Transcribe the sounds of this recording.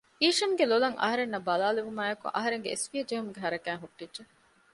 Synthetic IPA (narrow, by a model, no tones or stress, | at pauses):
iːʂɐŋɡelolɐŋʔɐ̰ɦɐɾenːɐbɐlaːleʋumaːekṵʔɐ̰ɦɐɾeŋɡḛḛsʋijɐd͡ʒeɦumuɡeɦɐɾɐkæːŋɦuʈːidʒe